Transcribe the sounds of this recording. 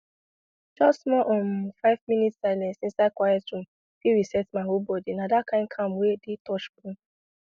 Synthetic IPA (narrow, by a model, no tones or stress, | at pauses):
d͡ʒɔsmɔʔɔ̃nfaɪvmĩnitsaɪlɛ̃nsĩnsaɪd̚kwajɛtɹũm | fiɹisɛtmaɦolbɔdinadakʰãɪ̃nd̚kʰãmwedetɔʃbũm